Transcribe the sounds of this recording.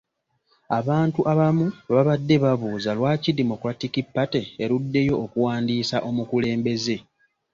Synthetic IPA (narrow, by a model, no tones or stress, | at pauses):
aβaːntuʔaβamuβaβadːe̞βaβuːzalwaːcidemo̞kɾatikipːateeɾudːe̞jo̞ʔːkuwaːndiːsaʔo̞mukule̞ːmbe̞ze̞